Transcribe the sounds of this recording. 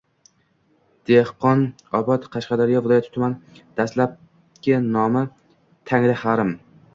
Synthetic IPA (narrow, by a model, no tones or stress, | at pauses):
d̪̥ehqɒn | ɒbɒt̪qʰɑʃqɑd̪aɾɪjɒvɪlˠɒjat̪ʰɪt̪ʰʊmand̪̥aslap̚ | kʲɪnɒma | t̪ʰaŋlɪhaɾɪm